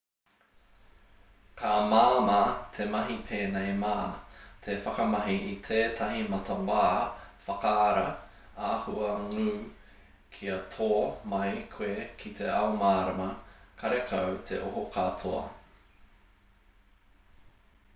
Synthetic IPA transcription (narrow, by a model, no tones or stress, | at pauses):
kʰaːmaːmat̪ʰemɐɦipʰeːnejmaːt̪ʰefɐkɐmɐɦiʔitʰeːtʰɐɦimɐtʰɐwaːfɐkɐːɾɐ | aːhuɐŋʉː | kʰiɐtʰoːmɐjkʰwekʰit̪ʰeɐomaːɾɐmɐkʰɐɾekʰɐwtʰḛʔoɦokʰatʰoɐ̰